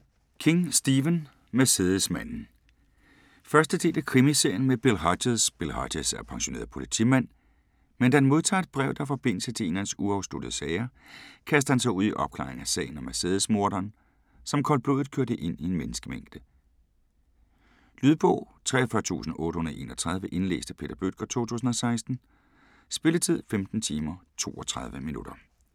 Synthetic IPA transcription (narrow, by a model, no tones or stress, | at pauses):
kʰe̝ŋsd̥iʋən | mæseːðˠəsmæn̰n̩ | fɶɐsd̥əd̥e̝̰ːl̥ækʰʁimise̝ɐ̰jənmeb̥e̝lɦɑdeðˠsb̥e̝lhɑ̰̥̈esæɐpʰɑ̈ŋɕo̝ne̝ːɐðˠpʰo̝lit͡sʰḭmæn̰ | mend̥ænmo̝ð̞ˠt͡sʰɑ̰̈ːed̥̚b̥ʁɛʊd̥ɑ̈fɒ̽b̥e̝n̰l̩sət͡sʰe̝enænsuɑʊsd̥o̝d̥ðˠsɛɪɐkʰæs̬d̥əhænsɑ̈ɪuð̞̰ˠiʔɒ̽b̥̚kʰlɑ̰̈ːeŋæsɛ̰ːɪn̩ɒmæɐseːðˠsmo̝ɐd̥ɐːn | sɒ̽mkʰɒ̽lb̥øðˠð̩ˠkʰøɐɾ̥əʔe̝n̰ie̝nmenəsɡ̥əmeŋ̰̥d̥ə | lyðˠb̥ɔ̰ʊ | t͡sʰʁɛ̰ːɐfɶɐt͡sʰṵːsn̩ɔ̽ːɾ̥əhonðˠʔe̝̰ːnɒt͡sʰʁɑ̈ð̞ˠʋəʔe̝nlḛːsd̥əpʰe̝ːd̥ɐb̥ød̥̚ɡ̥ɐt͡sʰo̝̰ːt͡sʰṵːsn̩ɒ̽sɑ̈ɪsd̥n̩ | sb̥e̝lət͡sʰið̰ˠfemd̥n̩t͡sʰiːmɐt͡sʰo̝̰ːɒt͡sʰʁɑ̈ð̞ˠʋəminud̥ɐ